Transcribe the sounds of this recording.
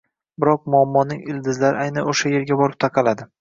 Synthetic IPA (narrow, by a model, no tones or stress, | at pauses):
bɪɾɒq̚mʊɒmːɒnɪŋɪld̪ɪzlaɾɪajnanoʃaje̞ɾɡʲabɒɾɪp̚t̪ʰaqʰɑlad̪ɪ